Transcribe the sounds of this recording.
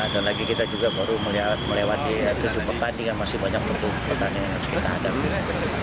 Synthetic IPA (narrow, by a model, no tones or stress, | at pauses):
adalaɡikit̪ad͡ʒuɡabaɾuməlməlewat̪it̪ud͡ʒʊpərt̪aniŋanmasɪhbaɲak̚t̪ud͡ʒʊpərt̪aniaskit̪aːda